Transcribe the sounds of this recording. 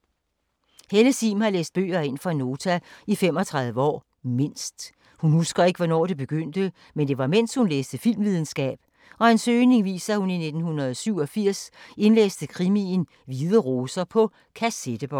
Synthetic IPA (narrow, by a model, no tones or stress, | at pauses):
heləsimhɑ̈leːsd̥̚b̥ø̰ːɐe̝n̰fɑ̈no̝ːt͡sʰæifemɒ̽t͡sʰʁäðˠʋəɒ̰ː | me̝n̰sd̥ | hunhusɡ̥ɐe̝ɡ̥əʋɒnɒ̰ːd̥e̝b̥e̝ɡ̥øn̰d̥ə | mend̥e̝ʋɑ̈men̰shunleːsd̥əfil̰mʋiðˠn̩sɡ̥ɛ̰ːb̥ | ɒ̽ensøːne̝ŋʋḭːsɐhunine̝d̥n̩hunɐð̩ˠsyʊ̰ɒ̽fiɐ̰se̝nlḛːsd̥əkʰʁimin | ʋið̞ˠəʁoːsɐpʰɒ̽ | kʰæsed̥əb̥ɒ